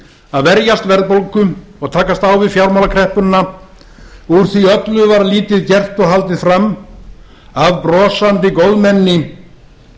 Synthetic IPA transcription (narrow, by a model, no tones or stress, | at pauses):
aðvɛɾjast̪vɛɾðpowlkʏɔɣt̪ʰaːkast̪awvɪðfjawɾmawlakʰɾɛhpʏnːa | uɾ̥θiœt̪lʏvaɾliːt̪ɪðcɛr̥t̪ɔɣɦalt̪ɪðfɾamː | aðpɾɔːsant̪ɪkowðmɛnːɪ